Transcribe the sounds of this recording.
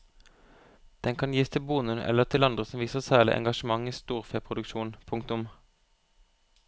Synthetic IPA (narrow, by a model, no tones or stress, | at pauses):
d̪̥ɛŋkʰɑnjiːst̪ʰɪlbuːnʉnʔɛ̰ləʁt̪ʰɪlɑnd̪ʁəsɔmʋiːsəʁsæːlɪ̰ʔɛ̰ŋɡɑʃəmɑŋiːst̪uːʁfeːpʰʁʊd̪ʉkʃuːnpʰʊŋkt̪ʊm